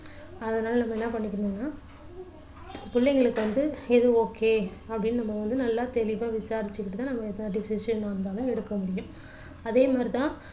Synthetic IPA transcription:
ɐðɐnaːlɐnɐmːɐɛnːɐpɐɳːɪkːɪɾnõːnːaː | pʊɭːɛŋɡɐɭɯkːɯʋɐnd̪ɯɛðɯoːkːeːɐpːɐɽɪnːɯnɐmːɐʋɐnd̪ɯnɐlːaːt̪ɛlɪʋaːʋɪsaːɾɪt͡ʃːɯkːɪʈːɯt̪ãːnɐmːɐɛt̪ːɐnɐɖɪsɪʂɐnmaːnd̪aːlɐ̃ɛɽɯkːɐmʊɽɪjʊ̃m | ɐðeːmaːd̪ɾit̪ãː

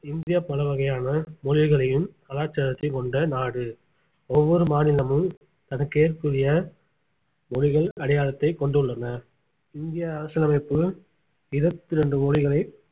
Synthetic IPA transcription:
ɪnd̪ɪjɐpːɐlɐʋɐɣɐjaːnɐmɔɻɪɣɐɭɐjɯmt̪ɐlaːɾt͡ʃɐɾɐt̪ːɐɪkɔɳɖɐnaːɽɯ | ɔʋːɔɾɯmaːnɪlɐmɯm | t̪ɐnɐkːeːrkɯrɪjɐ | mɔɻɪɣɐɭɐɽɐjaːɭɐt̪ːɐɪkɔɳɖɯɭːɐnɐ | ɪnd̪ɪjɐɐɾɐsɪlɐmɐɪpːɯ | ɪɾɐt̪ːɪɾɛɳɖɯmɔɻɪɣɐɭɐɪ

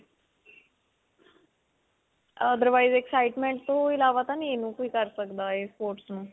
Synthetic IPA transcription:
əd̪əɾʋaːizeksaːɪʈmẽɳʈ̚t̪oɪlaːʋat̪aninũːkoiːkəɾsəkd̪aːespoːɾʈsnũː

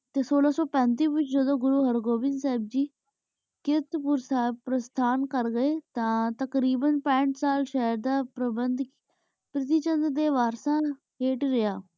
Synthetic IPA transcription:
t̪eːsoːlaːsɔːpɛ̃ːnt̪̬iːʋɪt͡ʃd͡ʒəd̪õːɡʊɾuːɦəɾɡoːbɪnsɛːb̚d͡ʒiː | kɪt̪pʊɾpɾəst̪ʰaːnkəɾɡəeːt̪ãːt̪əkɾiːbənpɛ̃ːɳʈsaːlʃəɦəɾd̪aːpɾəbənd̪ | pɾɪt̪iːt͡ʃə̃nd̪ɾd̪eːʋaːɾsãː | ɦeːʈɾɪjaː

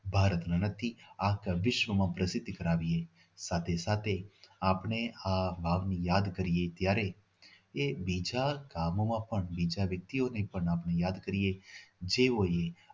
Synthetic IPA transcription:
bʱaːɾət̪nanət̪ʰiakʋɪʃʋəmãpɾəsɪd̪ʱːkəɾaːʋie | saːt̪ʰesat̪ʰeaːpɳeabʱaːʋnijaːd̪kəɾiet̪jaːɾe | ebid͡ʒakamomãpəɳbid͡ʒaʋjək̚t̪ionepəɳaːpnejaːd̪kəɾijed͡ʒeʋoje

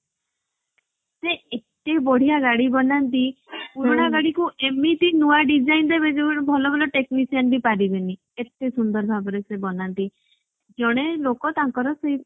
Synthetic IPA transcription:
seet̪ebɔɽ̤ijaɡaɽibɔnant̪ipuɾɔɽ̃aɡaɽikuʔemit̪inuwaɖid͡ʒajnd̪ebed͡ʒibbʱɔlɔbʱɔlɔʈeknisianbʱipaɾibeni | et̪ːesund̪ɔɾbʱabɔɾesebɔnant̪i | d͡ʒɔɽ̃elokɔt̪aŋkɔɾɔsej

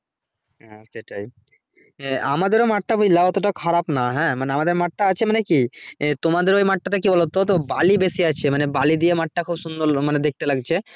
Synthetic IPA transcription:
ɦɛ̃ʃeʈaj | a̰mad̪eɾomaʈːabʱujlaɔt̪oʈakʰaɾapnaɦɛ̃ːmaneamad̪eɾmaʈːaat͡ɕʰemanekit̪omad̪eɾojmaʈːat̪̬ak̬ibɔlot̪ot̪̬obalibesiat͡ɕʰemanebalid̪iemaʈːakʰubʃund̪oɾmaned̪ek̚t̪elaɡ̚t͡ɕʰe

